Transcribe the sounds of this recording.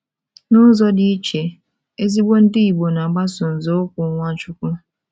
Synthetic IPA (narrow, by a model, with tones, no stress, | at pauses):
nʊ˦zɔ˦dɪ˦i˦t͡ʃe˨ | e˦zi˦ɡ͡bo˦n̩˦dɪ˦i˨ɡ͡bo˨na˨ɡ͡ba˦sʊ˨n̩˨zo˦kʷʊ˨˦ŋʷa˦t͡ʃʊ˦kʷʊ˦